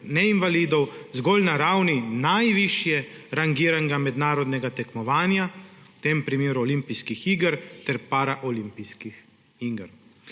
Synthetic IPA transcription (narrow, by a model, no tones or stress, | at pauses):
nɛinʋaliːd̪ɔwzɡoːlnaɾawninajʋiʃjɛɾaŋɡiːɾanɡamɛd̪naːɾɔd̪nɛɡat̪ɛkmɔʋaːnjawt̪eːmpɾimeːɾuɔlimpiskixiɡəɾt̪ɛɾpaːɾaʔɔlimpiskix | iɡəɾ